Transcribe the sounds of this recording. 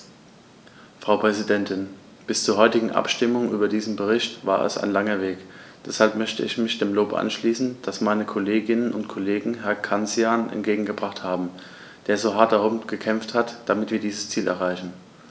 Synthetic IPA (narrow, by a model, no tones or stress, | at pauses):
fʁ̥aʊpʁ̥ɛzidɛntʰɪn | b̥ɪst͡suːɐɦɔʏtɪɡŋ̩ʔa̰pʃtɪmʊŋʔyːbɐdiːzn̩bəʁ̞ɪçtv̥aːɐʔɛ̰sa̰ɪnlaŋɐveːkd̥ɛshalpmœçtəɪçmɪçd̥eːmloːpʔa̰nʃliːsn̩d̥asmaɪnəkʰoleːɡɪnənʊntkʰɔleːɡŋ̩ɦɛɐkʰant͡sjaːnʔɛ̰nt̚ɡ̥eːɡŋ̩ɡəbʁaχthaːbm̩ | d̥eːɐzoːɦaɐt̚d̥aʁʊmɡ̥əkʰɛmfthatd̥amɪtviːɐdiːzəst͡siːlɛɐʁ̞aɪçn̩